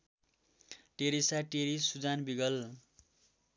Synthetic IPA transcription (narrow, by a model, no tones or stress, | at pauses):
ʈeɾisaʈeɾisud͡zanbiɡʌl